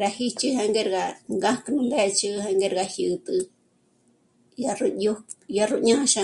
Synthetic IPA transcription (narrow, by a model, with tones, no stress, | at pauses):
ɾa˧hi˦t͡ʃi˦ha˧ŋɡe˦˧ɾɣa˧ŋɡã˦kɨ˧nũ˧nd̪e˦˧t͡ʃi˧ha˧ŋɡe˦˧ɾɣa˧hi˧ʔt̪ɨ˧ | ja˧ru˧u˦ja˧ru˧ʔɲã˦ã˧ʃã˧